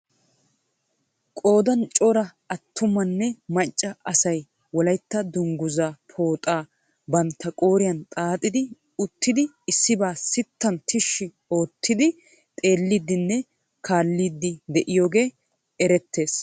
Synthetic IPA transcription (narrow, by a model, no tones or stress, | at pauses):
kʼo̞ːd̪ɐnt͡ʃʼɔɾɐ | ɐt̪ːʊmɐnːɛmɐt͡ʃʼːɐɐsɐj | wɔlɐjt̪ːɐd̪ʊŋɡʊzapʰo̞ːt̪ʼaː | bɐnt̪ːɐkʼo̞ːɾɪjɐnt̪ʼaːt̪ʼɪd̪ɪ | ʊt̪ːɪd̪ɪ | ɪsːɪbaːsɪt̪ːɐnt̪ʰɪʃːɪ | o̞ːt̪ːɪd̪ɪ | t̪ʼe̞ːlːid̪ːɪnːɛ | kʰaːlːiːd̪ːɪd̪ɛʔɪjo̞ːɡe̞ː | ɛɾɛt̪ʰːe̞ːs